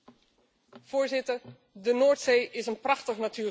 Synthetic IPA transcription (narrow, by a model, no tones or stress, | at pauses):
v̥ʊːɹzɪtəɹ | dənoːɹtsejʔɪsənprɑχtəχnatyː